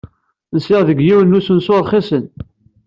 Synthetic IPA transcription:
nsɪʁðəɡjiwənːusənsʊɾˤχisən

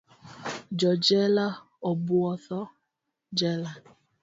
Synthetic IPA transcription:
d͡ʒɔd͡ʒɛla | ɔbʊɔθɔ | d͡ʒɛla

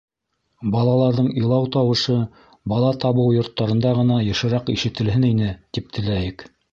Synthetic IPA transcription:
bɑlˠɑlˠɑɾðɤɴilˠɑwt̪ɑwɤ̆ʃɤ | bɑlˠɑt̪ɑβɤwjŏɾt̪ːɑɾɤ̆nd̪ɑʁɤ̆nɑjɤ̆ʃɤ̆ɾɑqiʃɘ̆t̪ɘ̆lɦɘninɘt̪ip̚t̪ʰɘ̆læjɘk

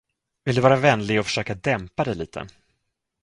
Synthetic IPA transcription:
vɪld̪ɵ̟vɑːɾavɛnlɪɡɔfœ̥ʂøːkad̪ɛmpad̪ɛjliːt̪ʰə̰

